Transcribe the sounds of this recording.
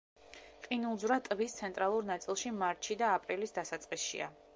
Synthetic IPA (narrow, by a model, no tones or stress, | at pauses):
qʼinulˠzvɾat̪ʼvist̪sʰɛnt̪ʼɾalˠuɾnat̪sʼilˠʃimaɾt̪ʃid̪aːpʼɾilisd̪asat̪sʼqʼisʃḭa̰